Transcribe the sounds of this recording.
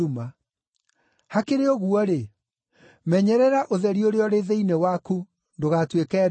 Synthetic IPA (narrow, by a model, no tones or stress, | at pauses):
uma | hakeɾeɔɣuɔɾe | mɛɲɛɾɛɾaʔoðɛɾioɾeɔɾeðeinewaku | ndoɣatwekɛː